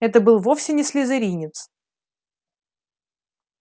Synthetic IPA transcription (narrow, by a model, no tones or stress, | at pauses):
ɛt̪əbɨlˠvo̞fsʲɪnʲɪsʲlʲɪzɨɾʲinʲɪt̪s